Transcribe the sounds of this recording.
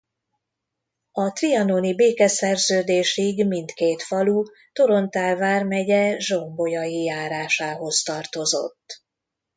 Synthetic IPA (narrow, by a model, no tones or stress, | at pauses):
ɒt̪riɒnonibeːkɛsɛrzøːd̪eːʃiɡmint̪keːt̪fɒlu | t̪o̞ɾo̞nt̪aːlvaːrmɛɟɛʒo̞mbo̞jɒjijaːɾaːʃaːɦo̞st̪ɒrt̪o̞zo̞̰t̪ː